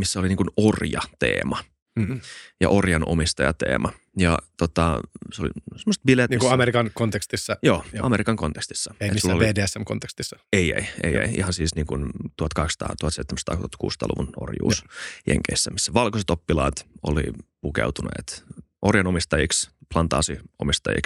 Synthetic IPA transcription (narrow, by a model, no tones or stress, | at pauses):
misːæoliniːŋkunorjɑ̰t̪ḛːmɑ | jɑ̰ʔorjɑno̰mist̪ɑjɑt̪ḛːmʔɑ | jɑt̪ot̪ɑseolḭsemːoset̪̚bilet̪nikuɑmeɾikɑnkont̪ekst̪isːɑjoːɑmeɾikɑŋkont̪e̥kst̪i̥sːɑeitisulːoleːdeːæsːæmkont̪ekst̪isːɑ̥eiḛiḛjḛiḭhɑnsiːsniːŋkunt̪uhɑt̪kɑhekst̪ɑ̰ːt̪uhɑt̪seit̪ːemæst̪ɑːuɑt̪kṵːst̪ɑ̰ːlṵʋuno̰rjṵːsjḛŋkeisːæmisːæʋɑlkoset̪opːilɑːt̪o̰lḭpukḛut̪unḛːt̪ | ʔorjɑnomist̪ɑjiksplɑnt̪ɑːsiomist̪ɑ̰jḭks